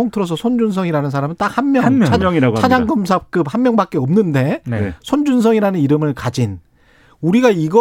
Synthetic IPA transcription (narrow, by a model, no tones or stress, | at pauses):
oŋtʰɯɾʌsʰʌsʰond͡ʑunsʰʌŋiɾanɯnsʰaɾamɯnt͈ak̚hanmjʌŋiat͡ɕʰad͡ʑaŋɡʌms̬ʰap̚k͈ɯp̚hanmjʌŋbak͈̚e̞ʌmnɯnde̞sʰond͡ʑunsʰʌŋiɾanɯniɾɯmɯɭkad͡ʑin | uɾiɡaiɡʌ